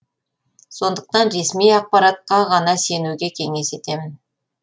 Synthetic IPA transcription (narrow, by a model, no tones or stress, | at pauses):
so̞nd̪əq̚t̪ɑnɾe̞smijɑq̚pɑɾɑt̪̚qɑʁɑnɑse̞nuɡʲe̞kʲʰe̞ŋe̞se̞t̪e̞mɪn